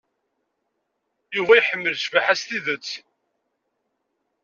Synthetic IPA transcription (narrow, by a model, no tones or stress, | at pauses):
juvæjħəmːəlʃvaħæst̪iðət͡sː